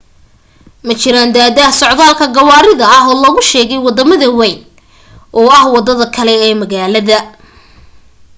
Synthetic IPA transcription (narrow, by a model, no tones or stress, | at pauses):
mɐt͡ʃɪɾaːnd̪aːðaːhsɔʕd̪aːlkʰɐɡɐwaːɾɪðɐɐɦɔːlɔːɣʊʃɛːɣɛjwɑd̪ɐmɐðɐwɛjn | ʔɔːɐhwɑd̪ɐðɐkʰɐlɛɛːmɐɣaːlɐðɐ